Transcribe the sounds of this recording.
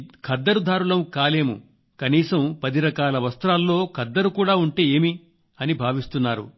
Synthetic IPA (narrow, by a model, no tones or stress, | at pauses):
kʰɐd̪ːɐɾud̪ʱaːɾulɐmkaːle̞ːmṵ | kɐniːsɐmpɐd̪iɾɐkaːlɐʋɐst̪ɾaːlːo̞ːkʰɐd̪ːɐɾukuːɽaːuɳʈe̞ːeːmi | ɐnibʱaːʋist̪unːaːɾṵ